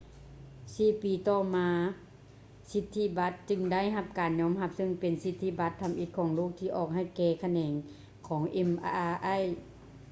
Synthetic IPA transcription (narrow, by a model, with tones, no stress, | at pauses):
siː˧˩piː˨t̪ɔː˧˩maː˧˦ | si˧t̪ʰːi˧˥ba˧˦t̪̚t͡ɕɯ˧ŋda˥˩˨jɦa˧p̚kaː˨nɲɔː˧˥mɦa˧p̚sɤ˧˨ŋpe˨˩nsi˧t̪ʰːi˧ba˧˦t̪ʰːa˧˦mʔi˧˦t̪̚kʰɔː˩˦ŋloː˥˩k̚t̪ʰiː˧ʔɔː˧˩k̚ha˧˩˨jkɛː˧˩kʰa˧nɛː˨˩ŋ | kʰɔː˩˦ŋʔe˧mʔaː˧ʔa˧˥˩j